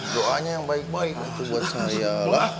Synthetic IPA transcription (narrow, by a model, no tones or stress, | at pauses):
doʔaɲajaŋbaɪk̚baɪk̚at̪ubuat̪̚saɦajaa